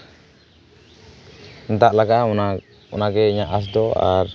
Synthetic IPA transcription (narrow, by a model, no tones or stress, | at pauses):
nt̪aʔlaɡaʔana | ṵnaɡɛiɲaʔas̬d̪ɔa̰ɾ